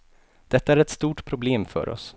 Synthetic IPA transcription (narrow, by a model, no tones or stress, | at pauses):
d̪̥ɛt̪ːaæɾɛt̪st̪uːʈpʰɾʊbleːmfœ̰ɾɔ̰s